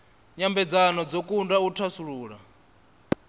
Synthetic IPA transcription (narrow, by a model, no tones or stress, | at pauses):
ɲambɛd͡zanɔd͡zɔkʼundautʰasuɺuːɺa